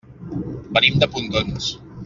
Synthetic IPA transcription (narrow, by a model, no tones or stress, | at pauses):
bənimd̪əpund̪ons